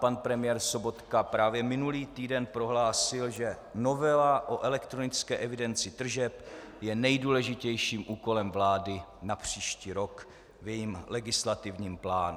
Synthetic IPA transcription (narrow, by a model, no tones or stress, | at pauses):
panpɾɛmɪjɛɾsobo̞t̪kapɾaːvjɛmɪnuliːt̪iːdɛnpɾo̞ɦlaːsɪlʒɛ | no̞vɛlaʔo̞ʔɛlɛkt̪ɾo̞nɪt͡skɛːʔɛvɪdɛnt͡sɪt̪r̩ʒɛp | jɛnɛjduːlɛʒɪcɛjʃiːmʔuːko̞lɛmvlaːdɪnapr̝̥iːʃciːɾo̞k | vjɛjimlɛɡɪslat̪ɪvɲiːmplaːnu